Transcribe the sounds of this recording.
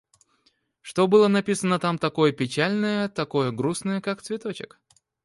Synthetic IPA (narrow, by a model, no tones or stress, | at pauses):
ʂt̪o̞bɨlˠənɐpʲisənət̪amt̪ɐko̞jəpʲɪt͡ɕælʲnəjət̪ɐko̞jəɡɾusnəjəkakt̪svʲɪt̪o̞t͡ɕɪ̰k